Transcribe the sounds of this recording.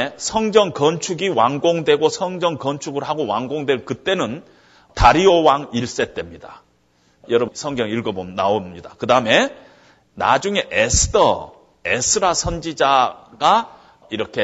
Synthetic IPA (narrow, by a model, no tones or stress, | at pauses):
sʰʌŋd͡ʑʌŋkʌnt͡ɕʰuɡiwaŋɡoŋdwe̞ɡosʰʌŋd͡ʑʌŋkʌnt͡ɕʰuɡɯɭɦaɡowaŋɡoŋdwe̞ɭkɯt͈e̞nɯn | taɾiowaŋiɭs͈e̞t͈we̞mɲida | jʌɾʌsʰʌŋɡjʌŋiɭɡʌbomnaomɲidakɯdaɯme̞ | na̰d͡ʑuŋe̞ʔesʰɯ̥dʰʌ̰ | esʰɯɾasʰʌnd͡ʑid͡ʑaɡ̥a | iɾʌkʰe̞